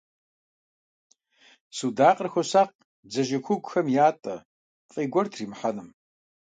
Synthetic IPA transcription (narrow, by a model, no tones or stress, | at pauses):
suːdaːqʼərxʷɔsaːq̚ | d͡zɐʒɪkʷʊɡʷʼxɐmjaːtʼɐ | fʼiːɡʷɔrtʰriːmħanɨm